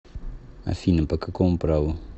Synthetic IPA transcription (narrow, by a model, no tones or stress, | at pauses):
ɐ̰finɐpɐkɨkõmpɾaw